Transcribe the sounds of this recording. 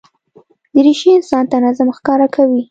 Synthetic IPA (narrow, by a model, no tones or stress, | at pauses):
d̪əɾiʃiɪnsɑnt̪anazamxkɑɾakʰawi